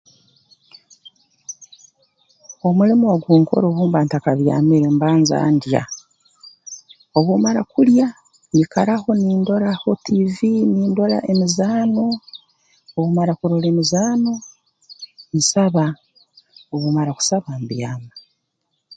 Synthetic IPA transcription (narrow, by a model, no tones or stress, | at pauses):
o̞mulimuwaɡuːŋko̞̰ɾoβuːmbantakaβja̰ːmiɾembaːnza̰ːndja̰ | oβumaɾakulja | ɲikaɾaho̞niːndo̞ɾahotʰiviniːndo̞la̰ʔemizaːno̞ː | βumaɾakuɾolemizaːno̞ | nisaβa | oβumaɾaku̥saβambjaːma